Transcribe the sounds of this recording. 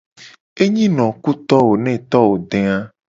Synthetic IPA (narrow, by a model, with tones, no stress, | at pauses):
e˦ɲĩ˦nɔ̃˨ku˦t̪ɔ˦wo˨nɛ̃˦˨t̪ɔ˦wo˨ɖẽ˨a˦